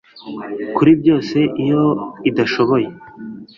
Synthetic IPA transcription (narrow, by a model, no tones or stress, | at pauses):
kuɾibjo̞ːse̞ʔijo̞id̪aʃo̞βo̞je̞